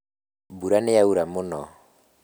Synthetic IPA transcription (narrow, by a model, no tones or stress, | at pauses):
buɾanɪjauɾamʊnɔ̰